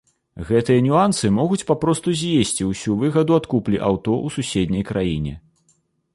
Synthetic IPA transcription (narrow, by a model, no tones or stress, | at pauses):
ɣɛt̪ɨjɐnʲuansɨmɔɣut͡sʲpapɾɔst̪uzʲjesʲt͡sʲiwsʲuvɨɣɐd̪uat̪kuplʲiʔawt̪ɔʔususʲed̪ʲnʲɐjkɾʔajinʲɛ̰